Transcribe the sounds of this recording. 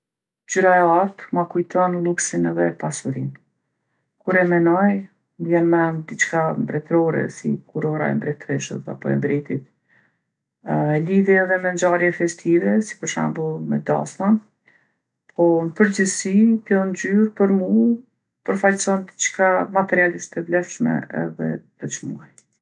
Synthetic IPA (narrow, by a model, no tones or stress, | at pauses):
d͡ʒyɾaɛat̪makujt̪ɔnlˠuksinɛðɛpasuɾin | kuɾɛmɛnɔj | vjɛnmɛd̪it͡ʃkambɾɛt̪ɾɔɾɛ̰sḭkuɾɔɾa̰ɛ̰mbɾɛt̪ɾɛʃə̰sa̰pɔɛ̰mbɾɛt̪it̪ | ɛliðɛɛðɛmɛnd͡ʒaɾjɛfɛst̪ivɛsi̥pəɾʃa̰mbulˠmɛd̪a̰sman | pʰɔnəpəɾd͡ʑəsik̪ɔnd͡ʒyɾpəɾmu | pəɾfalsɔnd̪it͡ʃkamat̪ɛɾialiʃt̪ɛvlɛfʃmɛ̰ɛ̰ðɛ̰d̪̥ət͡ʃmuaj